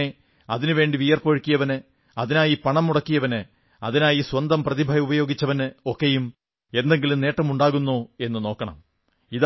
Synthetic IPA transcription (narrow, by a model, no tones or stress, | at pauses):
e | ɐðinɨʋe̞ːɳɖiʋijɐrpoɻkːijɐʋɐnɨ | ɐðinaːjipɐɳɐmːuɽɐkːijɐʋɐnɨ | ɐðinaːjiswɐnd̪ɐmprɐðibʱɐjɐubɐjo̞ːɡit͡ɕːɐʋɐnɨokːejum | e̞nd̪e̞ŋɡilumne̞ːʈːɐmuɳɖaːɣunːoːe̞nːɨno̞ːkːɐɳɐ̰m | ið